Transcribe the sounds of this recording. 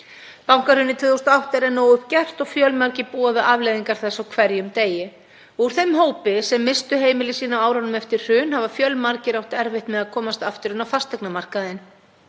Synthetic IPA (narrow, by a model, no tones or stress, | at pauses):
pawŋ̥kaɾr̥ʏnːɪt̪ʰvɪːðowst̪aawht̪ɛɾɛnoːwʏhp̚cɛr̥t̪ɔɣfjœlmaɾcɪpuːavɪðavlejðiŋkaɾ̥θɛsːawkʰvɛɾjʏmt̪eːjɪ | ɔuɾ̥θemɦoːwpɪsɛmːɪst̪ʏɦeːjmɪlɪsiːnawaːwɾanʏmɛft̪ɪr̥r̥ʏːnhavafjœlmaɾcɪɾawht̪ɛɾvɪht̪mɛðaðkʰɔːmast̪aft̪ɪɾʏnafast̪ɛknamar̥kaðɪn